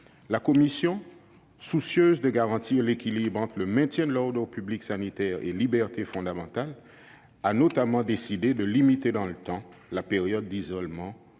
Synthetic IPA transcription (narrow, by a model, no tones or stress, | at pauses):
lakɔmisjɔ̃ | susjøzd̪əɡaʁɑ̃t̪iʁlekʲilibʁɑ̃t̪χləmɛ̃t̪jɛ̃d̪əlɔʁd̪ɛʁpybliksanit̪ɛʁḛlibɛʁt̪efɔ̃d̪amɑ̃t̪al | anot̪amɑ̃d̪esid̪ed̪əlimit̪ed̪ɑ̃lət̪ɑ̃lapeʁjɔd̪̚ːizɔlmɑ̃